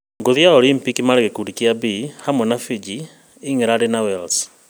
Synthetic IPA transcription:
ŋɡoðijaɔlimpikimaɾeɣekuɾikiabihamwɛnafid͡ʒi | iŋeɾaɾenawɛls

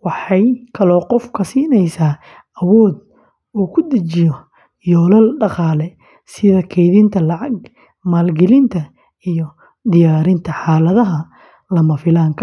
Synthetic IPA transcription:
wɑħɑjkʰɐlɔːqɔfkʰɐsiːnɛjsaː | ɐwɔːd̪̚ | uːkʰʊd̪ɐt͡ʃɪjɔ | jɔːlɐlɖɑqɑːlɛ | sɪðɐkʰɛjðɪnt̪ʰɐlɑʕɑɡ | maːlɡɛlɪnt̪ʰɐ | ijɔ | d̪ɪjaːɾɪnt̪ʰɐħɑːlɐðɐɦɐ | lɐmɐfɪlaːŋkʰɐ

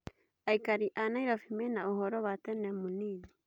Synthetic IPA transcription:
ajkaɾiʔanajɾofimenaoɦoɾoβatenamunini

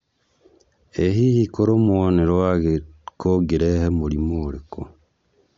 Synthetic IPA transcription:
eɦihikoɾoːmuwoneɾowaɡekoɡiɾehemuɾimoːɾeko̰

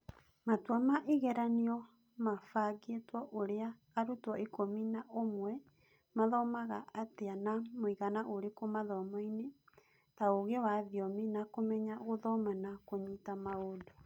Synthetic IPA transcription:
matwamaʔeɣɛɾaniɔ | mafaɡetwɔʔoɾeaː | ɾutwɔikominaʔomwɛ | maðɔmaɣaʔateanamoiɣanaʔoɾekomaðɔmɔine | taoɣewaðiɔminakomɛɲaɣoðɔmanakoɲitamaodo

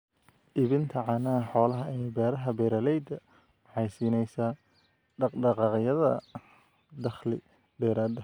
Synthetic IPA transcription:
ʔɪβɪnt̪ʰɐʕɑːnɐħɔːlɐɦɐɛbɛːɾɐɦɐbɛːɾɐlɛjd̪ɐ | mħɑjsiːnɛjsaː | ɖɑqɖɑqɑːqjɐðɐ̰ | d̪ɐχlɪ̰ | d̪ɛːɾaːd̪ɐ

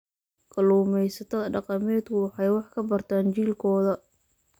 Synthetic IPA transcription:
kʰɐluːmɛjsɐt̪ʰɐðɐɖɑqɑmɛːd̪kʰʊwɑħɑjwɑħkʰɐbɐrt̪ʰaːnt͡ʃiːlkʰɔːðɐ

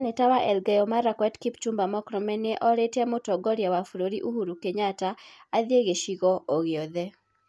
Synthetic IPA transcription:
netawaʔɛlɡɛjɔmaɾakwɛtkipt͡ʃumbamɔkɾɔmɛneʔɔɾetamotɔɡɔɾjawafɾoɾiʔuhuɾukeɲata | aðjeɡeʃiɣɔʔoɣɪɔðɛ

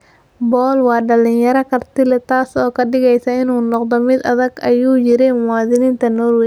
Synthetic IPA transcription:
bɔːlwɑːɖɐlɪnjɐɾɐkʰɐrt̪ɪlɛt̪ʰaːsɔːkʰɐɖɪɣɛjsɐɪnuːnɔqd̪ɔmɪd̪ɐðɐɡɐjuːjɪɾɛmaːðɪnɪːnt̪ʰɐnɔːrwɛ

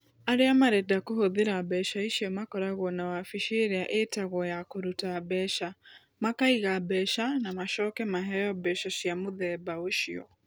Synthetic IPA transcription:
aɾeamaɾɛdakohoðeɾabɛʃaiʃiɔmakɔɾaɣwɔnawafiʃeɾeaʔetaɣɔjakoɾutabɛʃa | makaiɣabɛʃanamaʃɔkɛmaɦɛjɔbɛʃaʃiamoðɛbaoʃiɔ̰

